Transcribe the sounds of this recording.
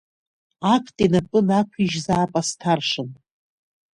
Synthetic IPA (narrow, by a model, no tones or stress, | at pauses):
akʷʰtʼinapʼɨnakʷʰiʒzaːpʼastʰarʂɨn